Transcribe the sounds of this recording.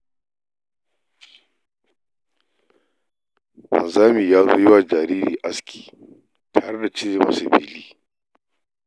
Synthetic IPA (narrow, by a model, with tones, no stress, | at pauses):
wɐ̰˨nzaː˦miː˨jaː˦zo̰ː˦jɪ˦waː˨d͡ʒaː˨ɾiː˦ɾḭː˨ʔa˦skʲʰi̥ː˨ | tʰaː˨ɽe˦da˨t͡ʃɪ˦ze˦ma̰˨˦sɐ˨bḭː˦liː˦